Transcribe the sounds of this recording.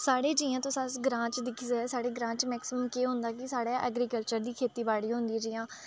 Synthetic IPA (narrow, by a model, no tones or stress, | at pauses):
saːɽeːd͡ʒiːãːt̪õːsasɡɾãːt͡ʃd̪ɪkʰːsaːɽeːɡɾãːt͡ʃmɛːksɪməmkeːɦoʊ̃nd̪aːkɪsaːɽaːʔə̰ːɡɾiːkəlt͡ʃəɾd̪iːkʰeːt̪iːbaːɽiːɦʊ̃nd̪iːɛːd͡ʒɪːãː